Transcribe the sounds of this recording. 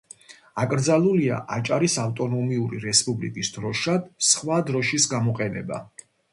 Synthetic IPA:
akʼɾd̪zalˠulia̰ʔat͡ʃʼaɾisaft̪ʼɔnɔmiuɾḭɾɛspʼublḭkʼisd̪̥ɾɔʃad̪̥sχwad̪ɾɔʃisɡamɔqʼɛnɛba̰

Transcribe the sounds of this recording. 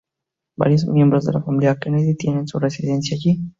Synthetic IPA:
ba̰lis̬miɔmbɾɔza̰lafamiliajakɛnɛzit̪iɛnɛnsuɾesid̪ɛnsiaki

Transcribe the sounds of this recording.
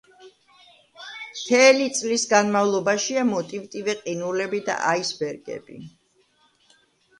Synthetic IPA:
mt̪ʰɛlit̪sʼlisɡanmavlˠɔbaʃiamɔt̪ʼivt̪ʼivɛqʼinulɛbid̪a̰ʔaisbɛɾɡɛ̰bḭ

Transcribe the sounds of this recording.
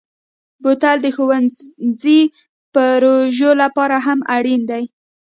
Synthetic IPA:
bot̪ald̪əxowanzi | pəɾoʒolapɑɾaɦamaɽind̪aj

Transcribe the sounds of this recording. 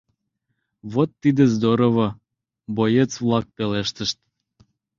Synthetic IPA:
βot̪ːid̪ezd̪oɾoβŏ | bojet͡svlˠɑk̚peleʃt̪əʃt̪̚

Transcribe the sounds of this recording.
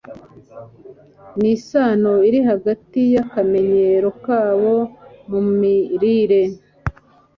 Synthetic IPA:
nisaːnoiɾiɦaɡatijakame̞ɲe̞ɾo̞kaːβo̞mumiɾiɾe̞

